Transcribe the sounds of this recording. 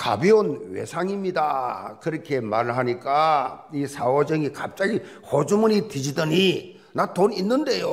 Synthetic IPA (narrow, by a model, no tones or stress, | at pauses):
ka̰bionwḛsʰaŋimɲida̰kɯɾʌkʰe̞maɾɯɭɦaɲik͈aisʰawʌd͡ʑɯŋikap̚t͡ɕ͈aɡi | hod͡ʑumunitɯd͡ʑidɯɲi | natoninːɯnde̞jo